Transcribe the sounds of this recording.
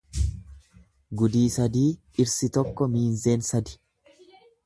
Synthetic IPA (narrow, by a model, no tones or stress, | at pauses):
ɡʊd̪iːsɐd̪iː | ɪɾsɪt̪ɔkːɔmiːnze̞ːnsɐd̪ɪ̥